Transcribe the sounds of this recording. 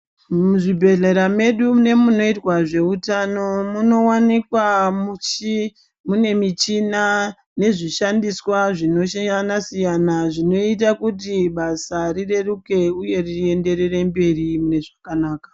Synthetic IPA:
muʐibʱe̞ɮe̞ɾame̞ɗune̞muno̞itwaʐe̞utano̞muno̞wanikwamut͡ʃi | mune̞mit͡ʃina | ne̞ʐiʃandiswaʐino̞ʃajanasijanaʐino̞it̬akutiɓasarire̞ruke̞uje̞rie̞nde̞ɾe̞re̞mbe̞ɾimune̞ʐakanaːkḁ

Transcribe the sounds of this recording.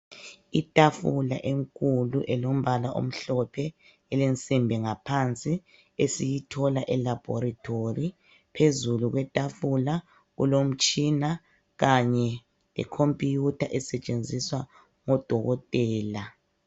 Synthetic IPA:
itʼafula̰ʔeŋkʼuluʔɛlom̩βalaʔo̰m̩ɬɔpʰɛ | elent͡sʼimbʱɛŋapʰant͡sʼi | esijitʰɔlaʔɛlab̥ʱɔ̰ratʰori | pʰezuluɣwɛtʼafula | ɣṵlom̩t͡ʃʼina | ɣaɲɛ | lɛ̰kʰompʼijutʰaʔɛsɛt͡ʃʼend͡zʱiswa | ŋɔd̥ʱɔɣɔtʼɛːla

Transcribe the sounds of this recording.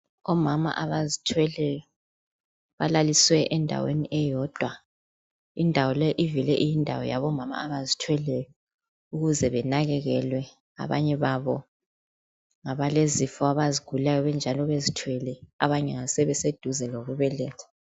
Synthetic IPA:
ɔmama̰ʔaβazitʰwɛlɛjɔ | βalaliswɛʔɛndʱa̰wḛniʔɛjɔd̥ʱwa | indʱawɔlɛʔivilɛʔijindʱa̰wɔ̰ja̰βɔmama̰aβazitʰwɛlɛjɔ | uɣuzɛβɛnaɣɛɣɛlwɛ | a̰βa̰ɲɛβaβɔ | ŋaβalezifɔaβaziɡ̥ʱulajɔβɛnd͡ʒʱalɔβezitʰwɛlɛa̰βaɲɛŋasɛβɛsed̥ʱuzɛloɣuβɛlɛːtʰḁ

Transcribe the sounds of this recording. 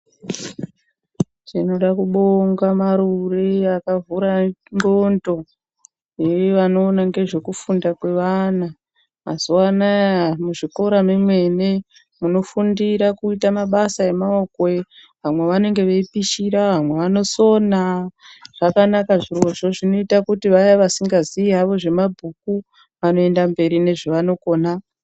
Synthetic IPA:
t͡ʃino̞ɗakuɓoŋɡamaɾureakavuɾaŋɡondo̞ | jeʋano̞ːnaŋɡe̞ʐe̞kufundakwe̞ʋana | mazuwanamuʐiko̞ɾamimwe̞ne̞ | muno̞fundiɾakuitamaɓasae̞maokoe | ʋamwe̞ʋane̞ŋɡe̞ʋeipiʃiɾaʋamwe̞ʋano̞so̞naʐ̥akanakaʐiroʐo̞ʐino̞itakutiʋajaʋasiŋɡaziiɦaʋo̞ʐe̞mabʱuk̚u | ʋano̞e̞ndambe̞ɾine̞ʐeʋano̞koːna

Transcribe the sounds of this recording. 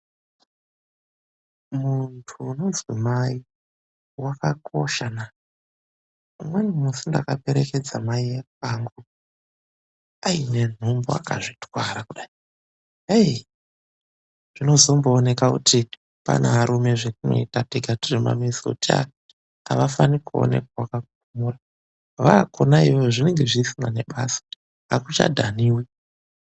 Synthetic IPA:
muntʰuːno̞nzwimai | wakako̞ʃana | mwenumusinda̰kape̞ɾe̞ke̞d͡zamaijekaŋɡu | aine̞n̤umboa̰ka̰ʐitwaɾakuɗai | ej | ʐ̥ino̞zo̞mbo̞ːne̞kakutʰi | pa̰nʔaaɾume̞ʐekuno̞̰itateɡʱatirima̰misotia̰ | aʋafanikuo̰nḛkwawakak̚uumura | ʋakʰo̞naiʋooʐine̞ŋɡe̞ʐisinane̞ɓasḁ | akut͡ʃa̰dʱaniːwi

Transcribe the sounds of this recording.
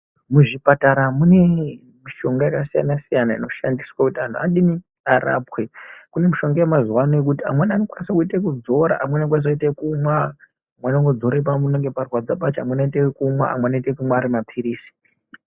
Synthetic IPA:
muʐipataɾamune̞ | miʃo̞ŋɡajakasija̰nasijanaino̞ʃandiswakutiantʰuaɗini | ara̰ːpwekune̞miʃo̞ŋɡajamazuwanojek̬utia̰mwenanokwanisakuitekud͡zo̞ɾa̰ʔamwenank̬wanis̬aitekumwa | amwanaŋɡod͡zo̞ɾep̬amuneŋɡeparwad͡zaɓat͡ʃamwenaitekumwa̰a̰mwenaitekumwaːɾimapʰiɾiːsi̥

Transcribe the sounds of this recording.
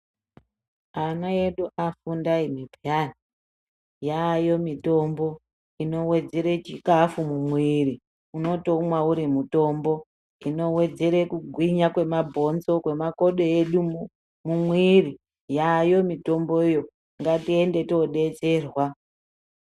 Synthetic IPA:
anae̞ɗuʔafundaimibʱijani | jajo̞mito̞mbo̞ | ino̞we̞d͡ze̞ɾe̞t͡ʃikafumumwiri | uno̞to̞mwauɾimuto̞ːmbo̞ | ino̞we̞d͡ze̞ɾe̞kuɡʱwiɲakwe̞mabʱo̞nzo̞kwe̞mako̞ɗo̞eɗu | mumwiri | jajo̞mito̞mbo̞ijo | ŋɡatie̞nde̞to̞ɗe̞t͡se̞ːrwa

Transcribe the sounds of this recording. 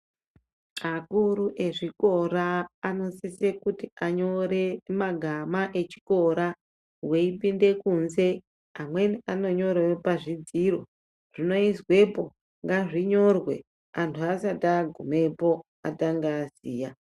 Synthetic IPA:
akuɾuʔe̞ʐiko̞ɾaːno̞sisekutiaɲo̞ɾe̞maɡʱamaʔe̞t͡ʃi̥ko̞ɾa | we̞ipinde̞kunze̞ | amwe̞niano̞ɲo̞rwepaʐid͡ziro̞ | ʐ̥ino̞iswe̞po̞ | ŋɡaʐiɲo̞rwe̞̰ | antʰuasataɡʱume̞po̞ | ataŋɡaːziːja

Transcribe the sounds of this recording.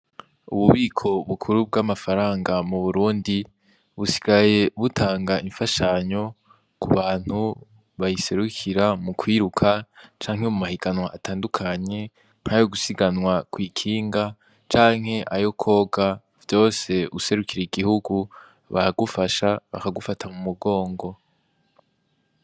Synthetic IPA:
uβuβiːkʰo̞βukʰuɾub̚ɡamafaɾaːŋɡamuβuɾuːndi | βusi̥ɡaje̞βutʰaːŋɡaʔiɱfaʃaɲo̞ | kuβaːn̥hu | βajise̞ɾukʰiɾamukʰwiːɾukʰat͡ʃaːŋ̥hemumahiɡanwaʔatʰaːndukʰaɲe̞ | n̥hajoɡusiɡanwakwiːkʰiːŋɡa | t͡ʃaːŋ̥he̞ʔajo̞kʰo̞ːɡa | vjo̞ːse̞ʔuse̞ɾukiɾeiɡihuɡu | βa̰haɡufaʃaβa̰kaɡufatʰamumuɡo̞ːŋɡo̞

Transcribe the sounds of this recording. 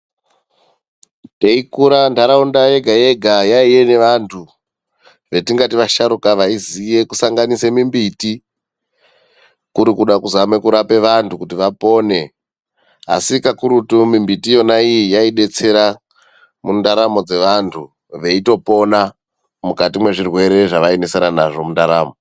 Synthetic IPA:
te̞ikuɾandaɾaundaje̞ɡʱaje̞ɡʱajaije̞ne̞ʋantʰu | ʋe̞tiŋɡatiʋaʃaɾukaʋaizije̞kusaŋɡanisemimbiti | kuɾikuɗakuzame̞kuɾape̞ʋantʰukutiʋapo̞ne̞ | a̰sikakuɾutumimbitijo̞naijijaiɗe̞t͡se̞ɾa | mundaɾamo̞d͡ze̞ʋantʰu | ʋe̞ito̞po̞na | mukatimwe̞ʐirwe̞ɾe̞ʐaʋaenesenana̰ʐo̞mundaɾa̰ːmo

